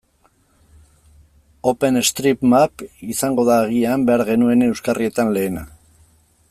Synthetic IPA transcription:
o̞pe̞nest̪ɾipmapisaŋɡo̞ðaːɣ̞iambe̞aɾɣe̞nue̞ne̞wskarie̞t̪anle̞ːna̰

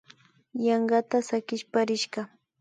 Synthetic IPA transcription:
jɑɴɢɑt̪asakɪʃpaɾɪʃɢɑ

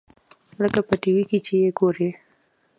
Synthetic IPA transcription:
ləkapəʈiwikit͡ʃejeɡoɾe

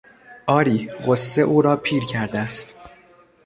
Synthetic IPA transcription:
ʔɒːɾiːɣosːeʔuːɾɒːpʰiːɾcʰæɾd̪æst̪

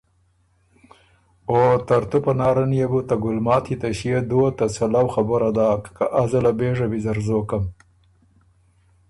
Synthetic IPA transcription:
ot̪aɾt̪upanɑːɾanjeɡut̪aɡʊlmɑːt̪it̪aʃijed̪ot̪asalawxabəɾad̪ɑːkːaʔazalabeʐabizaɾzokam

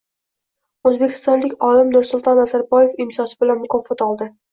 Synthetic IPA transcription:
ɵzbekʲʰɪ̥st̪ɒnlɪkʲɒlɪmnʊɾsʊlˠt̪ʰɒnazaɾbɒje̞fɪmsɒsɪbɪlanmʊkʰɒfɒt̪ɒlˠd̪ɪ

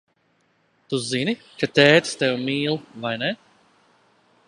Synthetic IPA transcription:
t̪uzini | kat̪ɛːt̪st̪ɛwmiːlˠvajnɛ

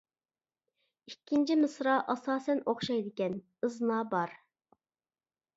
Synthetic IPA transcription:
ikʲʰːint͡ʃʰimɨsɾɑʔɑsɑːsɛnoχʃɑjd̪ɪkʲɛn | ɨznɑːbɑɾ

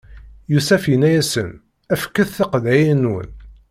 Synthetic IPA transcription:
jusæfinæjæsə̰n | æfkːəθθəqðæjənːwə̰n

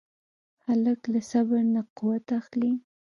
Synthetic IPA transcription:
haləklasabaɾnaqʊwat̪axli

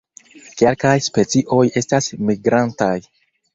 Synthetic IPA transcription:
ke̞lkajspe̞t͡siʔo̞je̞stasmiɡɾantaj

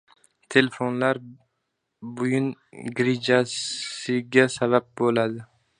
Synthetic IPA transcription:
t̪ʰe̞lefonlaɾ | bʊjʊnɡɾɪd͡ʒasɪɡʲasabap̚bolad̪ɪ

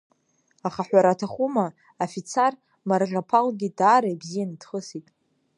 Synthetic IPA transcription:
aχaħᶣʷaɾatʰaχʷuma | afit͡sʰar | marʁʲapʰalɡʲidaːɾaibzijanidχəsitʼ

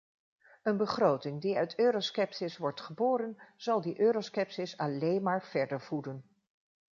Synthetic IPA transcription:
ənbəχrowtɪŋdiœɥtʰøːɾoskɛpsɪsʋɔɹtχəboːɾənz̥ɑlˠdiʔøːɾoskɛpsɪsɑlejnmaːɹv̥ɛɹdəɹvudən

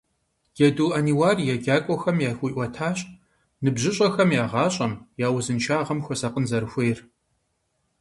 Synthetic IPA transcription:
ɡ̥ɐduːʔɐniwaːrjaɡʲaːkʷʼɔxɐmjaːxʷuʔʷɔtʰaːɕ | nɨbʑɪɕʼɐxɐmjaːʁɑːɕʼɐmjaːwʊzɨnʃʰaːʁɐmxʷɔsɐqʼənzɐɾɨxʷejr

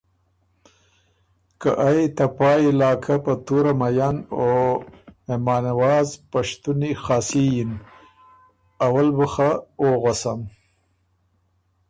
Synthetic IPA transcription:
kaʔajt̪apɑːilɑːkʰapat̪uɾamajano | memɑːnawɑːzpaʂt̪unixɑːsijin | awalbəxaoɣasam

